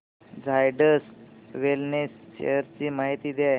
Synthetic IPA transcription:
d͡zʱajɖəsʋelnesɕḛjəɾt͡ɕiːmaɦit̪iːd̪jaj

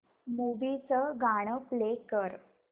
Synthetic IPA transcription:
muʋit͡səɡaɽ̃əplekəɾ

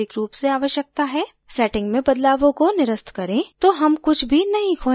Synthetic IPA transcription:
ɪkɾuːpseaːʋəʃjək̚t̪aɦɛː | sɛːʈɪ̃ŋɡmẽbɐd̪laːʋõkonɪɾəst̪ʰkɐɾẽt̪oːɦɐmkʊt͡ʃʰbʱinɐɦĩkʰoː

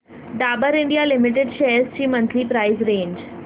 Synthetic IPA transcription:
ɖaːbəɾɪ̃ɳɖijalɪmɪʈ̬eɖʃeːɾst͡ɕiːmə̃nt̪ʰlipɾaɪzɾẽːɲd͡ʒ

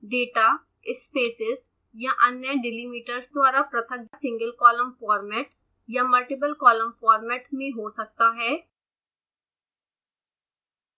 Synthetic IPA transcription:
ɖeːʈa | ɪspeːsɪz | jaʔɐnjəɖɪliːmiːʈəɾsd̪waːɾapɾɐt̪ʰəɡsɪ̃ŋɡəlkɔːləmfɔːɾmɛːʈ | jamɐlʈɪp̬əlkɔːlə̃mfɔːɾmɛːʈmẽɦosɐk̚t̪aɦɛː

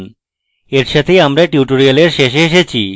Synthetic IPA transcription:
n | eɾʃat̪ʰejamɾaʈiuʈoɾialeɾʃeʃ̬ɦeʃet͡ɕʰḭ

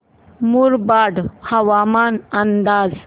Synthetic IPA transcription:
muɾbaɖhɐʋamaːnənd̪aːd͡z

